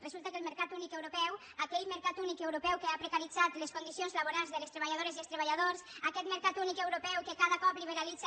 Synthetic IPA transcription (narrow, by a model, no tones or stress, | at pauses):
rəzulˠt̪əkəlməɾkat̪unikewɾopɛw | akɛʎməɾkat̪unikewɾopɛwkeapɾekaɾid͡zat̪leskund̪isionzlaβoɾalˠzðələst̪ɾeβaʎaðoɾeziəlˠst̪ɾeβaʎaðorsakɛt̪məɾkat̪unikewɾopɛwkekaðəkɔpliβ̞eɾalid͡z